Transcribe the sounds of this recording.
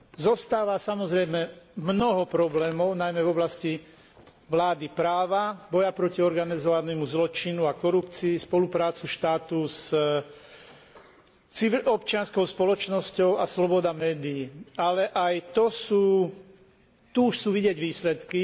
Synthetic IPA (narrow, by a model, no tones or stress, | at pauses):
zɔst̪aːʋasamɔzɾɛjmɛmnɔɦɔpɾɔblɛːmɔʊnajmɛvɔblasci | ʋlaːd̪ipɾaːʋabɔjapɾɔciɔɾɡanizɔʋanɛːmuzlɔt͡ʃinuakɔɾupt͡siːspɔlupɾaːt͡suʃt̪aːt̪us | t͡siʋiɔpt͡ʃɪanskɔʊspɔlɔt͡ʃnɔscɔʊaslɔbɔd̪amɛːd̪iːalɛʔajt̪ɔsuː | t̪uuʃsuːʋiɟɛɟʋiːslɛt̪ki